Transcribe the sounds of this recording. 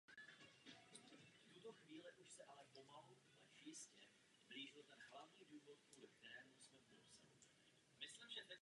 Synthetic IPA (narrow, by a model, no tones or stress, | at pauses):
ft̪ut̪o̞xviːlɪʔuʃsɛʔalɛpo̞maɦu | ɛʃjɪscɛ | bliːʒɪlt̪ɛnɦlavɲiːduːvot̪̚puːlɛkt̪ɛɾɛːmusmɛposɛ̰lo̰ | mɪslimʒɛt̪ɛ